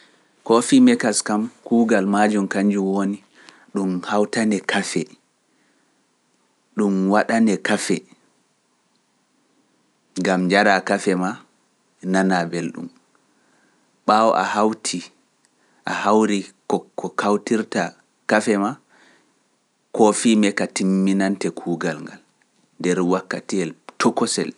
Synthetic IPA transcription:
kɔfimɛkaskamkuːɡalmad͡ʒumkaɲd͡ʒuwoni | ɗumhawtanɛkʰafɛ | ɗumwaɗanɛkafɛ | ŋɡamd͡ʒaɾakafɛma | nanabelɗṵm | ɓawɔ̰ʔa̰hawtʰi | ʔahawɾikɔkɔkʰawtiɾta | kafɛma | kɔfimɛkatimːinantɛkʰuːɡalŋɡa̰l | ndɛɾwakːatiɛltɔkɔsɛ̰l

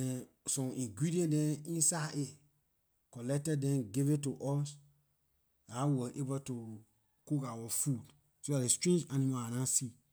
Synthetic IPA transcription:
ɛ̃ | sɔ̃mʔĩŋɡɹidiɛ̃ndɛ̃ĩnsaʔe | kɔlɛk̚tɛdɛ̃nɡevetuʔɔs | awəʔebətu | kukawɔfud | soadestɹẽnd͡ʒãnĩmaanãsi

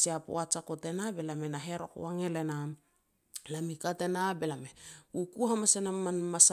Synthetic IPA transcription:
siapo̰at͡ʃakote̞nabe̞lame̞naɦeɾo̰ko̰waŋelena | lamikate̞nabe̞lameukuɦamasenamanmas

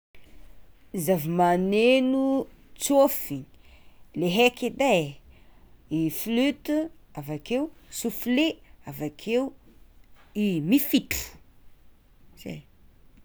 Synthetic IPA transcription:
zavimanenu | t͡sofi | leɦekid̪e | iflyt̪uavakewsufleavakʰew | imifiʈ͡ʂu̥ | z̥ḛj

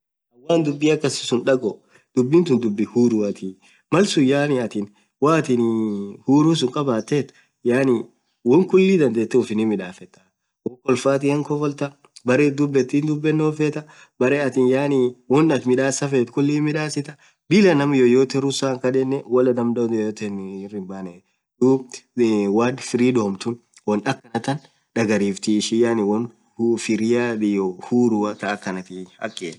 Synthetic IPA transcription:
ʔɐwːaːnd̪ʊbːiːɐkːɐsɪ̥sʊnᶑɐɡɔ | d̪̥ʊbːɪnt̪ʊnd̪ʊbːɪhuːɾuːɐt̪ʰiː | mɐlsʊjaːnɪɐt̪ɪn | waːt̪ɪnhuːɾuːs̬ʊŋkʼɐbaːt̪ːeːt̪ʊ | jaːni | wɔŋkʊlːiːd̪ɐnd̪eːt̪ːɛʊfɪnimɪᶑaːfɛt̪ːɐ̥ | wɔkɔlfaːt̪̬ɪhɐŋkɔfɔlt̪ɐ | bɐɾeːd̪ʊbːɛt̪ːiːnd̪ʊbːɛnːoːfɛt̪ɐ | bɐɾeːɐt̪ɪnjaːniwɔnːɐt̪mɪᶑaːsɐfɛt̪kʊlːiːmɪᶑaːsɪt̪ɐ | bɪlɐnɐmɐjojoːt̪ɛɾʊsaːŋkɐd̪ɛnːɛwɔlɐd̪ɐmd̪ojoːt̪ɛnrɪmbaːnɛ | d̪uːbwaːdfɪɾiːd̪oːmt̪ʊn | wɔnɐkːɐnɐt̪ɐn | ᶑɐɡɐɾiːft̪iʃɪjaːnɪwɔn | hfɪɾɪjad̪ɪjohuːɾuːɐt̪ɐːkːɐnɐt̪ɪɐ̰kːeːn

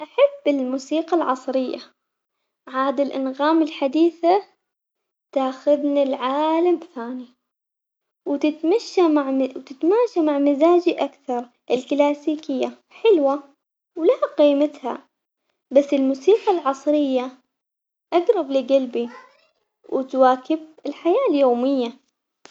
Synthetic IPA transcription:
ʔaħabːɪlmuːsiːqɑlʕɑsˤɾɪjːa | ʕaːd̪ɪlʔɪnɣaːmɪlħad̪iːθa | t̪aːxʊðnalʕaːlamθaːni | wt̪ɪt̪maʃːamaʕmɪwt̪ɪt̪maːʃamaʕmɪzaːd͡ʒiʔakθɑɾˤ | ʔɪlklaːsiːkɪjːa | ħɪlwa | wlaqiːmat̪ha̰ | basːɪlmuːsiːqalʕɑsˤɾɪjːa | ʔaɡɾˤɑblɪɡalbi | wɪt̪waːkɪbɪlħajaːljoːmɪjːa

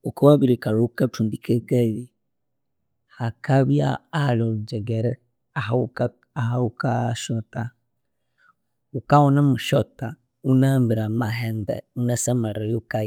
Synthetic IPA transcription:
ukawaβiɾikaɾuukatʰundikɛɡɛβi | hakaβia̰alɔud͡ʒɛɡɛɾɛ | aɦaka | aɦaukaʃɔta | ukawɔnamuʃɔta | unambiɾamaɦɛndɛ̰unasamaɾajoka

